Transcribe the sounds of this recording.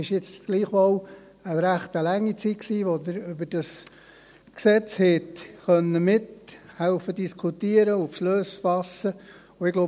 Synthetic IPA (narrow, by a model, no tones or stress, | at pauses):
ɪʃjɪt͡sɡ̥liːχʋɔw | əɾæχt̪əlæŋːit͡sit̚ksiːʋodəɾʏbəd̥ɑs | ksɛt͡shɛtχœnːəmɪthɛʊfədiskʰutiəɾəufʃløsfɑsːə | ʊɪɡlo